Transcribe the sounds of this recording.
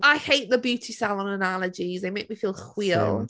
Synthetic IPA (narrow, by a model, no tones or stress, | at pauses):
aɪheɪʔðəbjʉˑtʰisɛlˠə̃nənaləd͡ʒizðeɪmeɪk̚mifiːlˠxw̥iəlˠ